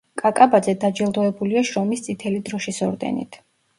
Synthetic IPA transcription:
kʼakʼabad̪zɛd̪ad͡ʒɛlˠd̪ɔɛbuliaʃɾɔmist̪sʼit̪ʰɛlid̪ɾɔʃisɔɾd̪ɛ̰nḭt̪ʰ

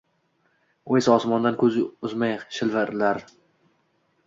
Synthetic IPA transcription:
ojsaɒsmɒnd̪ankʰɵzɪʊzmajʃɪlvɪɾlaɾ

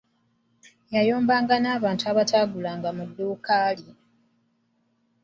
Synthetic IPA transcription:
jajo̞ːmbaːŋɡanaːβaːntuaβatʰaːɡulaːŋɡamudːuːkaːli

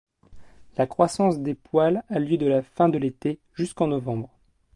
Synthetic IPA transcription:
lakχwasɑ̃sd̪epwalaljød̪əlafɛ̃d̪əlet̪e | ʒyskɑ̃nɔvɑ̃bʁ

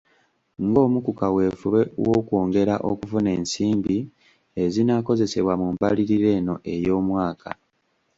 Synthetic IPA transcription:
ŋɡo̞ːmukukawe̞ːfuβewoːkwo̞ːŋɡe̞ɾaʔokuvune̞ːnsiːmbi | e̞zinako̞ze̞se̞βwamumpaliɾiɾe̞ːno̞ʔe̞jo̞ːmwaːkʰa̰

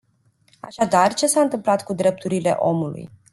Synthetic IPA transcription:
a̰ʃad̪art͡ʃe̞saɨnt̪ɨmplat̪kud̪ɾe̞p̚t̪uɾile̞̰ʔo̞mulṵj

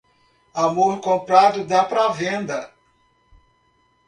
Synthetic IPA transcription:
amoɾkõmpɾad̪ʊd̪apɾɐavẽnd̪ɐ

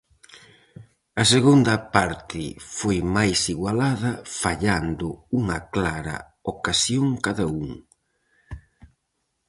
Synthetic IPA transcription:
ɐseɣund̪ɐpaɾt̪ɪfojmajsiɣwalaðɐfaʎand̪ʊuŋɐklaɾɐ̰ | okasjoŋkaðɐuŋ

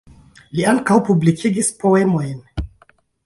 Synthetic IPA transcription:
liaŋkawpublikʰiɡispo̞e̞mo̞jn

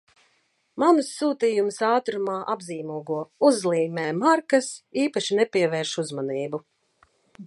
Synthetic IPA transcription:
manusːuːt̪iːjumsaːt̪ɾumaːʔabziːmuɔɡuɔuzlˠiːmɛːmaɾkɐsiːpaʃinɛpʲiɛvɛːɾʃuzmaniːbu

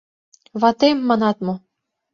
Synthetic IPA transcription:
βɑt̪emːɑnɑt̪mo

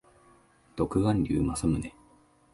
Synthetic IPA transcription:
d̪̥o̞kɯ̟ɡãnʲdʲɯ̰ːmasɨmɯ̟ne

